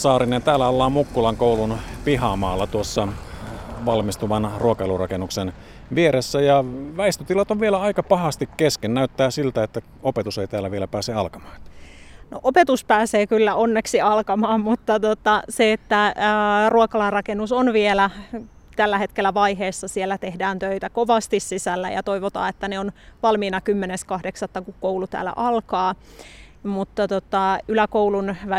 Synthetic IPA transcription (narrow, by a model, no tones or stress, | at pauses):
sɑːɾinent̪æːlːæolːɑːmukːulɑŋkoulunpiɦɑmɑ̰ːlːɑt̪uosːɑ | ʋɑlmist̪uʋɑnruokɑelurɑ̰kenuksen | ʋieɾesːæjɑʋæist̪øt̪ilɑt̪oʋʋielæɑikɑpɑhɑst̪ikkeskennæyt̪ːæːsilt̪æet̪ːæ | opet̪useit̪æːlːæʋielæpæːseɑlkɑmɑ̥ːnoʔopet̪uspæːseːkylːæonːeksiɑlkɑmɑːmmut̪ːɑt̪ot̪ɑseet̪ːæruɑkɑlɑrrɑkenːusonʋielæ | t̪ælːæhe̞t̪kelːˑæʋɑiɦeːsːɑsielːæt̪ehdæːnt̪øit̪ækoʋɑst̪issisælːæ̰jɑ̰t̪oiʋot̪ɑ̰ːet̪ːæneonʋɑlmiːnɑkymːeneskɑhdeksɑt̪ːɑkukkowlut̪æ̰ːlːæ̰ʔɑlkɑː | mut̪ːɑt̪ot̪ɑylækouwlunʋ